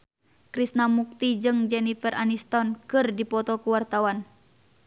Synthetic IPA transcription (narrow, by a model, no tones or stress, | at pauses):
kɾisnamuk̚t̪id͡ʒɨŋd͡ʒɛnifərʔanist̪ɔnkɨrdipɔt̪ɔkuwart̪awan